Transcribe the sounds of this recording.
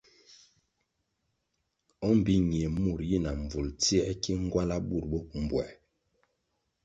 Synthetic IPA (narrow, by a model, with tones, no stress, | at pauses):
ɔ˦m̩˨bi˦ɲi˨e˨mu˨ɾji˦na˨ɱ˨vu˨lti˦ɛ˦ki˦ŋ˦ɡwa˦la˦bu˦˨ɾbo˦p̚m̩˨bwɛ˨